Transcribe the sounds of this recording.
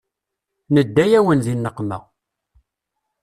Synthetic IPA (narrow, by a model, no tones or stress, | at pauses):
nəd̪ːæjæwənzinːəqːmæ̰